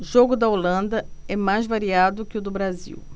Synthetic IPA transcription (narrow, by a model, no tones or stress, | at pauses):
ʒoɡʊd̪ɐolɐ̃nd̪ɐɛmajzvaɾiad̪ʊkɪʊd̪ʊbɾazḭw